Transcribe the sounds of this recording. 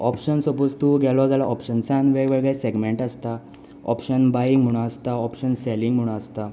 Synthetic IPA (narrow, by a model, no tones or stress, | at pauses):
ɔpɕənsɔpod͡zt̪uɡʱɛlɔd͡zalaʔɔpɕənsanʋeʋəɭɡɛseɡmeɳʈəst̪a | ɔ̰pɕənbajiŋɡm̤uɽ̃aəst̪aɔpɕənseliŋɡm̤uɽ̃aəst̪a